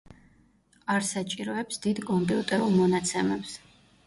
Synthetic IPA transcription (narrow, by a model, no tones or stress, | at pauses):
aɾsat͡ʃʼiɾɔɛpsd̪id̪kʼɔmpʼiut̪ʼɛɾulˠmɔnat̪sʰɛmɛps